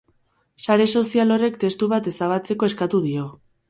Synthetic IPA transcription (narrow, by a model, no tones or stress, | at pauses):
saɾe̞so̞sialo̞re̞kt̪e̞st̪uβat̪e̞saβat͡se̞ko̞e̞skat̪uðio̞